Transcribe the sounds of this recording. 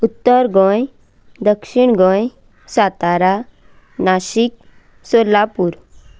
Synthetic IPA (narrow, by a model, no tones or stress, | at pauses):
ut̪ːəɾɡɔ̃j | d̪əkʂiɳɡɔ̃j | sat̪aɾa | naɕik̚ | solapuɾ